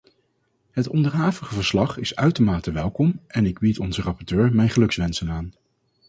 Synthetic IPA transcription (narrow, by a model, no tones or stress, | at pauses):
ɦətɔ̰ndəɹɦaːvəχəvəɹslɑχɪsœɥtəɹmaːtəʋɛlˠkɔmʔɛnɪɡbitɔnzərɑpɔɹtøːɹmɛjnχəlɵksʋɛnsənaːn